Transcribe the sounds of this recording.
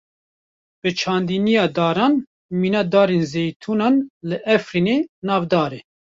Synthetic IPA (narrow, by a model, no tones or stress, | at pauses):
b̥ɨt͡ʃʰɑːnd̪iːnijɑːd̪ɑːɾɑːn | miːnɑd̪ɑːɾenzeːjt̪ʰuːnɑːnlɨʔɛfɾiːneːnɑːvd̪ɑːɾeː